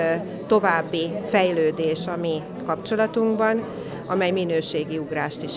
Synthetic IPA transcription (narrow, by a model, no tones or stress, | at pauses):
t̪o̞vaːbːifɛjløːd̪eːʃɒmi | kɒpt͡ʃo̞lɒt̪uŋɡbɒn | ɒ̰mɛjminøːʃeːɡiuɡraːʃt̪iʃ